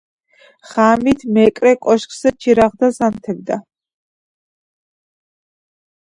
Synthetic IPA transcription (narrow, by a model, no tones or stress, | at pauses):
χaːmit̪ʰmɛkʼɾɛkʼɔʃkʼzɛt͡ʃʰiɾaʁd̪azamt̪ʰɛbd̪a